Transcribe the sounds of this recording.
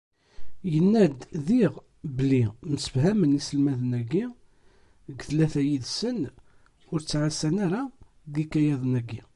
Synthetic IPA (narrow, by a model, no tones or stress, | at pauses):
jənːæd̪ðiʁ | bəlinəsə̥fhæmənisəlmæðənæɡːi | ɡθlæθæjiðsən | ʊɾt͡sːʕasːænæɾa | ɡikæjæðənæɡːi